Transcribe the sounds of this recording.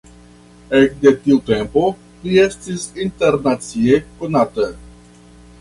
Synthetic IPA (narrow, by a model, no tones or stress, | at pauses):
ek̚de̞tiute̞mpo̞ | lie̞stisinte̞ɾnat͡siekonata